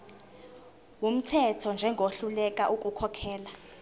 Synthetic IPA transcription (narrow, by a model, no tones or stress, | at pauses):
wum̩tʰɛtʰɔnd͡ʒʱɛŋɡʱoɬulɛk̬ʼaʔukʼukʰɔkʰɛːla